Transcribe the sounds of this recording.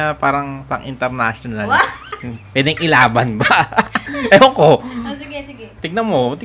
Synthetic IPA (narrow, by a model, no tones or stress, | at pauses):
ɐpaːɾɐŋpɐ̰ŋʔɪ̰nt̪ɛɾnaʃonal | wɛd̪ɪŋʔɪlaːbɐnbɐ | ʔɐjoko | t̪ɪɡ̚nɐnmot̪ɪ